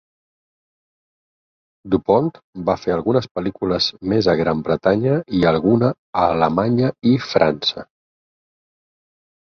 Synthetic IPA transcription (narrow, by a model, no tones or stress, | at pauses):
d̪upɔnt̪ | bafeəlˠɣunəspəlikuləzmezəɣɾambɾət̪aɲəiəlˠɣunəː | ləmaɲəifɾa̰nsə